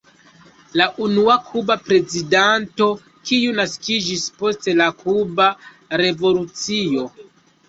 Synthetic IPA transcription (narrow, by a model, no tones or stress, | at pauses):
laʔunuakʰubapɾe̞zidanto̞ | kiunaskid͡ʒispo̞ste̞lakʰuba | ɾe̞vo̞lut͡sio̞